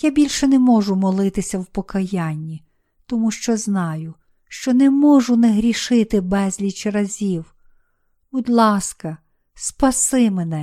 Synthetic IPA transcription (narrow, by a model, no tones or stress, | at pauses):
jabʲilʲʃɛnɛmɔʒʊmɔlˠɪt̪ɪsʲɐwpɔkɐjanʲːi | t̪ɔmuʃt͡ʃɔznɑjʊ | ʃt͡ʃɔnɛmɔʒʊnɛɦɾʲiʃɪt̪ɪbɛzʲlʲit͡ʃɾɐzʲiw | bɔd̪lˠɑskɐ | spɐsɪmenɛ